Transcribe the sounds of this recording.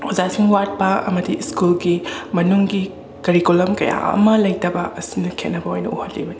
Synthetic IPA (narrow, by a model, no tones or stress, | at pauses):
ozasiŋwat̚pɐɐmɐdiskulɡimɐnuŋɡi | kɐɾikulɐmkɐja̰ɐ̰mɐlɐjtɐbɐʔɐsinɐkʰet̚nɐbɐojnɐ̰uhɐtlḭbɐni